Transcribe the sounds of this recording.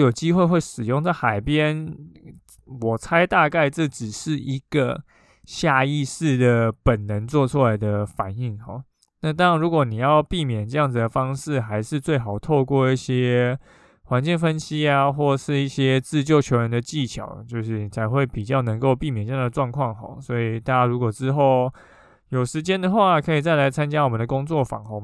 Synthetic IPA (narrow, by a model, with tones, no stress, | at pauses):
jo˨˩ʊt͡ɕi˥xwe˥˧xwe˥˩ɪʂɻ̩˨˩jʊ˥˧ŋt͡sa˥˩ɪxa˨˩ɪpjɛ˦˥n | wɔ˨˩t͡sʰa˥ɪt̪a˥˧ka˥˧ɪʈ͡ʂɤ˥˩ʈ͡ʂɻ̩˨˩ʂɻ̩˥˩i˧˥ɡ̥ə̰˧ | ɕja˥˧i˥˧ʂɻ̩˥˩d̪ə˩pə˨˩nnə˧˦nt͡swɔ˥˨ʈ͡ʂʰu˥la˧˥ɪd̪ə˨fa˨˩ni˥˩ŋxɔ̰˨˩˦ | na˥˩t̪ɑ˥ŋɻa˧nɻu˧˥kwɔ˨˩˦ni˨˩jɑ˥˧ʊpi˥˩mjɛ˨˩nʈ͡ʂɤ˥˧jɑ˥˩ŋd͡z̩˨˩d̪ə˩fɑ˥ŋʂɻ̩˥˩xa˧˥ɪʂɻ̩˥˧t͡swe˥˩ɪxɑ˨˩ʊt̪ʰo˥˧ʊkwɔ˥˧i˥˩ɕjɛ˥ | xwa˧˦nt͡ɕi˥˩ŋfə˦nɕi˥a˧xwɔ˥˩ʂɻ̩˥˧i˥˩ɕjɛ˥t͡sɹ̩˥˧t͡ɕjo˥˩ʊt͡ɕʰjo˧˥ʊɻə˧˦nd̪ə˧t͡ɕi˥˨˩t͡ɕʰjɑ̰˨˩ʊ˨t͡ɕjo˥˧ʊʂɻ̩˥˩n˨˩t͡sʰa˧˥ɪxwe˥˩ɪpi˨˩t͡ɕjɑ˥˩ʊnə˧˥ŋko˥˧ʊpi˥˩mjɛ˨˩nʈ͡ʂɤ˥˧jŋd̪ə˩ʈ͡ʂwɑ˥˧ŋkʰwɑ˥˩ŋxɔ̰˨˩˦swɔ˧˥i˨˩t̪a˥˧t͡ɕa˥ɻu˧˥kwɔ˨˩ʈ͡ʂɻ̩˥xo˥˩ʊ | jo˨˩ʊʂɻ̩˧˦˥t͡ɕjɛ˥nd̪ə˨xwa˥˨kʰɤ˧˥i˨˩t͡sa˥˩ɪla˧˥ɪt͡sʰa˥nt͡ɕja˥wɔ˨˩mə˦nd̪ə˩kʊ˥ŋt͡swɔ˥˩fɑ̰˨˩xɔ˧˩